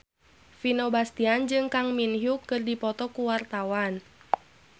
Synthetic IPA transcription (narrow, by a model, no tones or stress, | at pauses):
finobast̪iand͡ʒɨŋkaŋminɦjukɨrdipɔt̪ɔkuwart̪awan